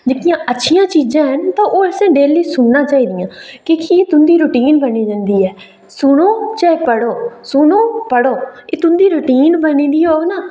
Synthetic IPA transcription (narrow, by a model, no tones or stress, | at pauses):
d͡ʒɪk̪ijãːʔətːʃʰijãːt͡ʃiːzãːɦənt̪ãːʔoːɛsẽːɖeːlːiːsʊnːãːt͡ʃaːiːd̪ɪjãːkiːkieːt̪ʊnd̪iːɾʊʈiːnbəniːd͡ʒə̃nd̪iːɛː | sʊɽoːt͡ʃaːepəɽoːsʊɳoːpəɽoːeːt̪ʊnd̪iːɾʊʈiːnbənĩːd̪iːɦoːɡnaː